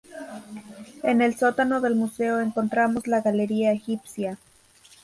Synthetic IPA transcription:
e̞ne̞lso̞t̪ano̞ðe̞lmuse̞oeŋko̞nt̪ɾamo̞zlaɣale̞ɾiaexipsja

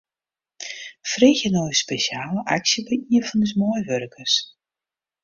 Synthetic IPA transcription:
freːxjənojəspesjaːləʔa̰ksjəbɛiəfɔndəsmɔjʋørkərs

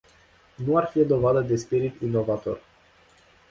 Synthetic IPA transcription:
nuarfid̪o̞vad̪əd̪e̞spiɾit̪ino̞vat̪o̞̰r

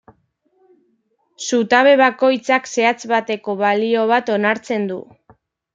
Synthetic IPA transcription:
sut̪aβe̞βako̞jt͡sakse̞at͡sβat̪e̞ko̞βalio̞β̞at̪o̞naɾt͡se̞nd̪u

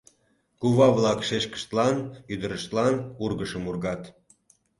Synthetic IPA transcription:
kuβɑβlɑkʃeʃkə̥ʃt̪lɑnyd̪əɾəʃt̪lɑnurɣəʃəmurɣɑt̪

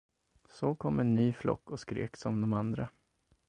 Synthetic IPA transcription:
sɔkʰɔmːɛnːyːflɔ̰kːɔskɾḛːksɔmd̪ɔmand̪ɾa

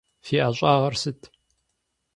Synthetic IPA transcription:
fiːʔaːɕʼaːʁɐrsɨtʰ

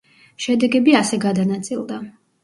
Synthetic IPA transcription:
ʃɛd̪ɛɡɛbiasɛɡad̪anat̪sʼilˠd̪a

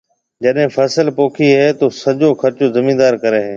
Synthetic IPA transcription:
d͡ʑɐɗɦɪ̃fʰɐsəlpoːkʰiɦɛːt̪oːsɐʄoːxʰɐɾt͡ʃoːzɐmĩ̆ːd̪aːɾkɐɾeːɦeː

